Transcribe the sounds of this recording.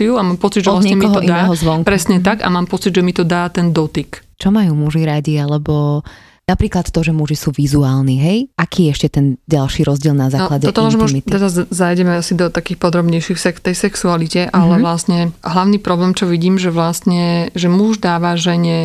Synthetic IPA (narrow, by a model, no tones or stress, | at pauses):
iuamaːmpɔt͡sid̪ʒɛlasɲɛɲɛmkiɔɦʔianɛːɦɔzʋɔŋkpɾɛsɲɛt̪aɡa̰maːmpɔt͡sid̪ʒɛmit̪ɔd̪aːt̪ɛnd̪ɔt̪ikt͡ʃɔmajuːmuʒiɾaɟialɛbɔ | napɾiːklat̪t̪ːɔʒɛmuʒisuːʋizuaːlˠniɦɛjʔakiːɛɛʃcɛt̪ɛnɟalʃiɾɔzɟɪɛlˠnazaːklaɟɛɔt̪ɔlaʒmɔit̪ɛɾazzajɟɛmɛasid̪ɔt̪akiːxpɔd̪ɾɔbɲɛjʃifsɛkft̪ɛjsɛksualicɛʔalɛʋlast̪ɲɛɦlaʊniːpɾɔblɛːmt͡ʃɔʋiɟiːmʒɛʋlast̪ɲɛʒɛmuʒd̪aːʋaʒɛɲɛ